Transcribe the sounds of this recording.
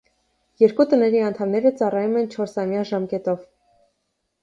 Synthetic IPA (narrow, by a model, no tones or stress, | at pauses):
jɛɾkut̪ənɛɾiɑnt̪ʰɑmnɛɾət͡sɑrɑjumɛnt͡ʃʰɔɾsɑmjɑʒɑmkɛt̪ɔv